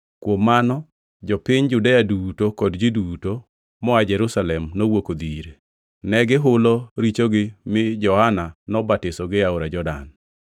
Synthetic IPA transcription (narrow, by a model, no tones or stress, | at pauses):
kwomːanɔ | d͡ʒɔpɪɲd͡ʒudɛadutokɔdd͡ʒiduto | mɔad͡ʒɛɾusalɛmnowokod̪iɾe | nɛɡɪɦʊlɔɾit͡ʃoɡɪmɪd͡ʒɔhananɔbatɪsɔɡɪaoɾad͡ʒɔda̰n